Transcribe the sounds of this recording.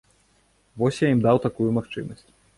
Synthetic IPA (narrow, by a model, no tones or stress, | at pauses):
vɔsʲjaimd̪awt̪akujumaxt͡ʂɨ̰mɐsʲt͡sʲ